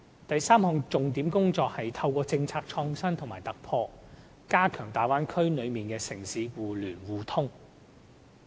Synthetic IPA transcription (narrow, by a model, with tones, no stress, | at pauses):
t̪ɐ˨jsaː˥mhɔː˨˧ŋt͡sʊ˨ŋt̪i˨˥mkʊ˥ŋt͡sɔː˨˧k̚hɐ˨jt̪ʰɐ˧wkɔː˧t͡sɪ˧ŋt͡sʰaː˧k̚t͡ʃʰɔː˧ŋsɐ˥nt̪ʰŋmaː˨˩jt̪ɐ˨k̚pʰɔː˧ | kaː˥kʰœː˨˩ŋt̪aː˨jwaː˥nkʰɵ˥ɥnɵ˨˧ɥmiː˨nkɛː˧sɪ˨˩ŋsiː˨˥wuː˨˩lyː˨˩nwuː˨t̪ʰʊ˥ŋ